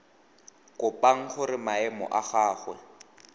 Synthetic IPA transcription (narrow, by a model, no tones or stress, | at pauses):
kʼʊpʼaŋ̩χʊɾɪmaɛmɔ̰ʔaχaːχwɛ̰